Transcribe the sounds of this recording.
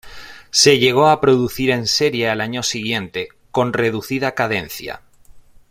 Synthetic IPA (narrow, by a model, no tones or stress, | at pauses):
se̞ʎe̞ɣ̞o̞apɾo̞ðuθiɾe̞nse̞ɾjealaɲosiɣ̞jẽ̞nt̪e̞ | ko̞nre̞ð̞uθið̞akaðe̞n̟θja̰